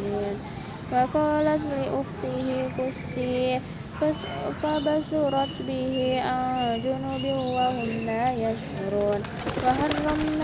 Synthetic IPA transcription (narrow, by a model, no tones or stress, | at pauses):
in | wakɔːlat̪liʔʊht̪iɦikʊst͡ʃi | fabasuɾɑt̪biɦiʔad͡ʒunubɪhwahʊmːajaʃhaɾuːn | waɦɑrːɑmn